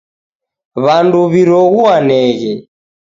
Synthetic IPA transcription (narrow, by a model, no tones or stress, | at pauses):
βanduβiɾɔɣuanɛɣɛ